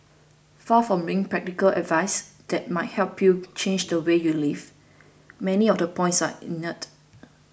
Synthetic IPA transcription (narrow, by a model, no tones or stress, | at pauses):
fafɹɔ̃mɹĩŋ̃ŋpɹɛk̚tikəlɛ̰dvaɪs | d̥ɛt̚maɪt̚hɛlpʰjut͡ʃʰẽnd͡ʒdəwejuliv | mɛniɔfdəpʰɔ̃ɪ̃ntsaḭnət